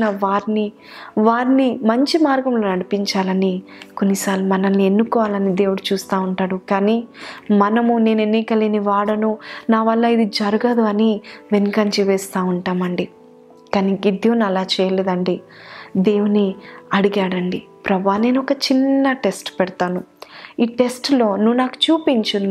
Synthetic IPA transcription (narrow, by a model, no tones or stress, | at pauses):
nɐʋaːɾini | ʋaːɾnimɐɲt͡ʃimaːɾɡɐmloːnɐɽipiɲt͡ʃaːlɐniko̞nːisaːlumɐnɐnːie̞nːukɔːʋaːlɐnid̪e̞ːwuɽut͡ʃuːst̪aːuɳʈaːɽukaːnimɐnɐmune̞ːne̞nːikɐleːniʋaːɽɐnunaːʋɐlːɐːid̪id͡ʒɐɾuɡɐd̪uɐniʋenikɐɲt͡ʃiʋɛːst̪aːuɳʈaːmɐɳɖi | kaːniɡid̪jonɐlaːt͡ʃɛːjɐleːd̪ɐɳɖi | d̪e̞ːwuniɐɽiɡaːɽɐɳɖi | pɾɐbʱaːne̞ːnuɔkɐt͡ʃinːɐʈe̞sʈpɛɽt̪aːnuiːʈe̞sʈlo̞ːnuʋːunaːku̥t͡ʃuːpiɲt͡ʃun